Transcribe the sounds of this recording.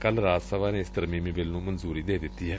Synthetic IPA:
kəlɾaːd̪səʋaːneɪst̪əɾmiːmiːʋɪlnũːmənzuːɾiːd̪eːd̪ɪt̪ːiːɦɛː

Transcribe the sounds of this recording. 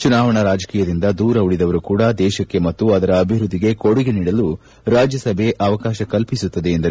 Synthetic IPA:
t͡ʃunaːʋɐɳɐɾaːd͡ʒɐkiːjɐd̪ind̪ɐd̪uːɾɐuɽid̪ɐʋɐɾukuːɽɐd̪ɛːʃɐkːe̞mɐt̪ːuɐd̪ɐɾɐːbʱiʋɾud̪ːiɡe̞koɽiɡeniːɽɐlu | ɾaːd͡ʒjɐsɐbʱe̞ʔɐʋɐkaːʃɐkɐlpisut̪ːɐd̪e̞ːnd̪ɐɾe

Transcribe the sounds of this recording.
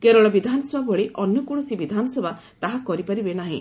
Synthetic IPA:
keɾɔɭɔbid̪ʱanɔsebʱabɔɭeʔʔɔnjɔkuɽ̃ɔsibid̪ʱanɔsebʱa | t̪aɦakɔɾipaɾibenaɦḭ̃

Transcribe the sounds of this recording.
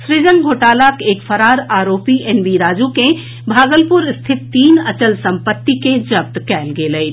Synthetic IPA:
sɾɪd͡ʒəŋɡʱoːʈaːlakeːkfʰəɾaːɾaːɾoːpienbiɾaːd͡ʒukẽ | bʱaːɡəlpʊɾst̪ʰɪt̪̚t̪iːnət͡ʃəlsə̃mpət̪ːiked͡ʒəp̚t̪kɛːlɡeːləit̪

